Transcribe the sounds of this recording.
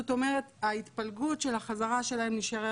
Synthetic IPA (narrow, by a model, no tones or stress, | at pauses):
oto̞me̞ʁet̪ait̪palɡutʃe̞laχazaʁaʃe̞laemliʃaʁe